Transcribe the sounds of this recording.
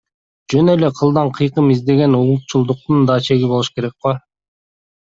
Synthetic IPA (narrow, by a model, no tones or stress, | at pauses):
d͡ʒønøle̞qʰɯlˠd̪ɑɴqʰɯjqɯmizd̪e̞ɡe̞nulˠut̪t͡ʃulˠd̪uq̚t̪und̪ɑːt͡ʃʰe̞ɡʲibo̞lˠuʃke̞ɾe̞k̚qo